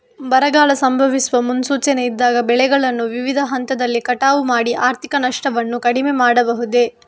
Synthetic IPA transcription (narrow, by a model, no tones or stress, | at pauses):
bɐɾɐɡaːlɐsɐmbʱɐʋisuʋɐmunsuːt͡ʃɐneid̪ːaːɡɐbɛɭɛɡɐɭɐnːuʋiʋid̪ʱɐɦɐnt̪ɐd̪ɐlːikɐʈaːʋumaːɽiʔaːɾt̪ʰikɐnɐʂʈɐʋɐnːukɐɽimemaːɽɐbɐɦud̪e̞